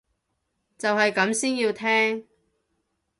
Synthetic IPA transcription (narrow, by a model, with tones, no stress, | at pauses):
t͡sɐ˨whɐ˨jkɐ˨˥msiː˥njiː˧wt̪ʰɛː˥ŋ